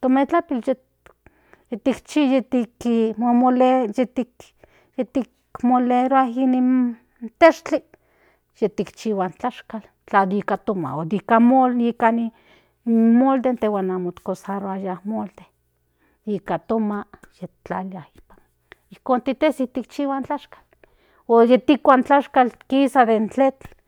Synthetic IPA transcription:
t̪omet͡ɬapilje | jet̪ikt͡ʃijet̪ikimomolejet̪ik | jet̪ik | moleɾoaɦinin | t̪eʃt͡ɬi | jet̪ikt͡ʃiwant͡ɬaʃkal | t͡ɬad̪ikat̪oma̰od̪ikamolikani | mold̪ent̪ewanamot̪kosaɾoajahmold̪e | ikat̪omajet͡ɬaliahi̥pḁn | ihkoːnt̪it̪esit̪ikt͡ʃiwant͡ɬaʃkḁl | ojet̪ikʷant͡ɬaʃkalt̪kisad̪ent͡ɬet͡ɬ

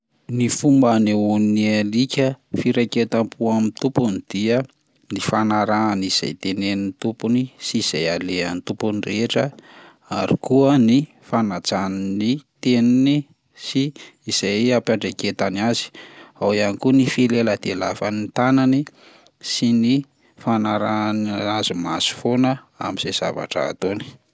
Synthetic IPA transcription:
nifumbaneunialikʲəfiɾeket̪ampʰuamint̪upunid̪̥iə | nifanaɾaːniz̥a̰jt̪enenint̪upunisiːz̥ajaleant̪upunireʈ͡ʂə | aɾḭkuəni | fanat͡sannit̪enini | siːz̥ajapaɳɖ͡ʐeket̪aniazi̥awianikunifileləd̪̥elafanint̪anani | sini | fanaɾanazimasi̥fonə | a̰miz̥ez̥a̰va̰ʈ͡ʂə̰ːt̪oni̥

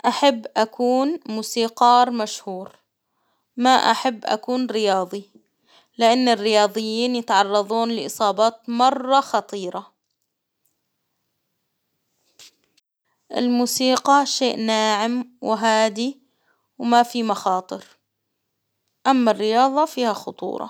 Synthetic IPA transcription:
ʔaħabːʔakʰuːnmuːsiːqɑːɾˤmaʃhuːɾ | maʔa̰ħabːʔa̰kuːnɾɪjɑːðˤi | lɪʔanːɪrːɪjɑːðˤɨjːiːnjɪt̪ʕɑrˤːɑðˤuːnlɪʔɨsˤɑːbɑːt̪mɑrˤːɑxɑt̪ˤiːɾɑ | ʔɪ̰lmuːsiːqɑʃeːʔnaːʕɪmwɦaːd̪i | wmafimɑxɑːt̪ˤɨɾ | ʔamːarːɪjɑːðˤɑfiːhaxʊt̪ˤṵːɾˤɑ̰

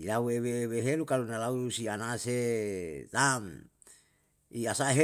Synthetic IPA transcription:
ilaueweweɦelukalunalauusianaset̪am | iasaɦe

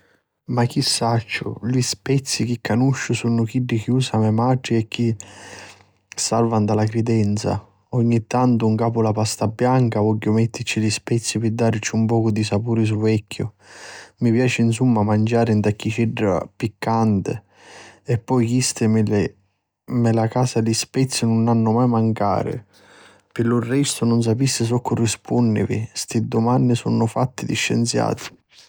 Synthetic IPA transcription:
mak̟ːisːat͡ʃːʊ̰lispɛt̪sːik̟ikːanuʃːʊsunʊk̟iɖːikiuːsamɛmaʈɾiɛkʰːi | salvand̪alakɾid̪ɛnt̪sa̰ | ɔɲːit̪ːant̪ʊuŋkaːpʊlapast̪abːjaŋkavɔɟːʊmɛt̪ːɪt͡ʃilispɛt̪sːipɪd̪ːaɾt͡ʃːiumpɔːkʊd̪isapuːɾɪs̬uvɛkʰːʊ̰ | mipjaːt͡ʃɪns̬umːamand͡ʒaːɾɪnt̪akːit͡ʃiɖːa̰pikːant̪ɪ̰ | ɛpːɔjkist̪ɪml | mɛlakaːsalispɛt̪sːɪnʊnanːʊmajmaŋka̰ːɾɪ̰ | pɪlʊrːɛst̪ʊnʊns̬apist̪ɪs̬ɔkːʊrːispʰunːɪ̰vḭst̪ɪd̪ʊmanːɪsɔ̰nːʊfat̪ːɪd̪iʃːɛ̰nt̪sja̰ːt̪ɪ̥

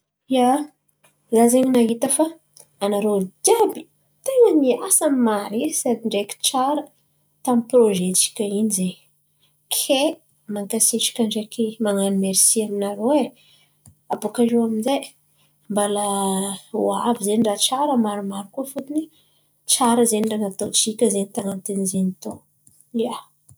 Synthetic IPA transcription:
ja | zazeɲinaɦit̪əfaː | naɾot̪iabi̥ | t̪eŋəniasammaɾesab̪iɳɖ͡ʐekʲi̥ʈ͡ʂaɾə | t̪amiproʒet͡si̥kʲainize | kʰe | maŋkasiʈ͡ʂḁkʲaɳɖ͡ʐakʰimaŋanimeɾisiaminaɾoe | apokaʒeaminzaj | mbalə | wavizeɳɖ͡ʐat͡ʃaɾəmaɾumaɾikuəfut̪ini | t͡ʃaɾəzeniɳɖ͡ʐanat̪ot͡sikʲəzenit̪aŋant̪enizenit̪o | lia

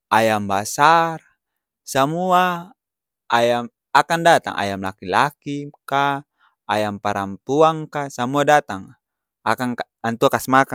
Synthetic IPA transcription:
ʔajambasar | samua | ajam | akandat̪a̰ŋʔa̰jamla̰kilakikaː | jampaɾampuaŋkasamuadat̪aŋ | akaŋ | ant̪uakasmaka

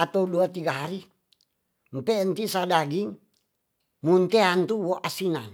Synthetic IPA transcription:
at̪auduat̪iɡaɦaɾi | mpent̪isadaɡiŋ | munt̪eant̪uwoʔasinan

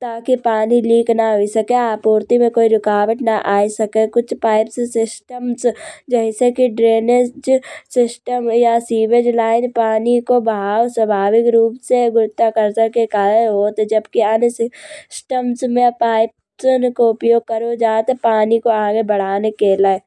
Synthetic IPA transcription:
t̪aːkipaːniliːknaɦoisɐkeaːpoːɾt̪imẽkoːiɾɪkaːbəʈ̪naʔaːisɐkekʊt͡ʃʰpaːɪpsesɪsʈəmsd͡ʒɛɦsekiɖɾeːned͡ʒsɪsʈəmjasiːʋed͡ʒlaːɪnpaːnikobaːwswəbʱaːʋɪkɾuːpseɡʊɾt̪ːakəɾsəkekaːɾəɦoːt̪ed͡ʒəbkiənsɪsʈəmsmẽpaːɪp̚ | sənkoʊpjoːɡ̚kəɾod͡ʒaːt̪paːnikoãɡebɐɽ̤aːnekeːlae

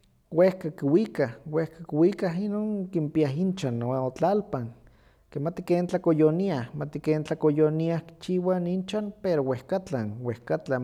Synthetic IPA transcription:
wehkakiwikahwehkakiwikaɦinoːŋkimpiaɦint͡ʃanoaot͡ɬalpaŋ | kemat̪i̥keːnt͡ɬakojoniahmat̪ikeːnt͡ɬakojoniahki̥t͡ʃiwanint͡ʃanpeɾowehkat͡ɬanwehkat͡ɬa

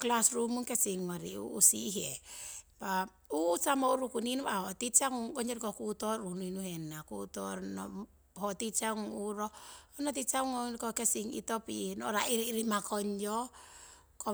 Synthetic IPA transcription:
klasrumuŋkɛsiŋːɔɾiṵːsiɦɛpa | uːsamɔuɾukuninuahɔtit͡ʃaŋuŋɡɔɲɔɾkɔkutɔɾunuinuhɛnːakutɔnɔ̰ | hɔtit͡ʃaŋuŋuɾɔɔnat̬it͡ʃauŋɔkɔkɛsiŋḭtɔpinɔ̰ɾaiɾːɾimakɔɲd͡ʒɔ | kɔ

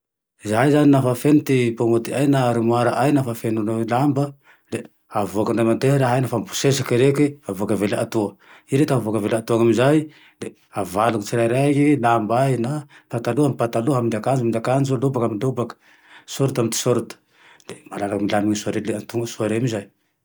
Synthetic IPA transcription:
izaizaninafafenut̪ipomot̪iajnaɾimwaɾaʔajnafafenunulambə | le | avokanrajmand̪eɾaɦajnafampu̥sesḁkiɾekʲiavokəvelat̪uə | iɾet̪aavokəvelat̪uaŋamizaj | d̪e | avaluŋit͡siɾaɾakilambajnapat̪aluamipat̪aluɦamind̪akand͡ʒumind̪iakand͡ʒulubakamilubakə̥ | soɾut̪amint̪i̥soɾut̪u̥ | d̪̥emalalakmilaniɲisuaɾeleant̪uŋɡəsuaɾemizaj

